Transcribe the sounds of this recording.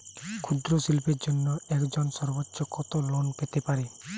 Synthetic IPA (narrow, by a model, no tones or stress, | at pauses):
kʰud̪ɾosilpeɾd͡ʒonːɔɛkd͡ʒɔnsɔɾbotːʃɔkɔt̪ɔlonpet̪epaɾe